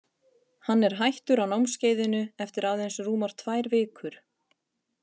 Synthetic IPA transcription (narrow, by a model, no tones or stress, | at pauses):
hanːɛɾ̥ɦajht̪ʏɾawnawmsceːjðɪnʏɛft̪ɪɾaːwðejnsruːmaɾ̥t̪ʰvajɾvɪːkʰʏɾ̥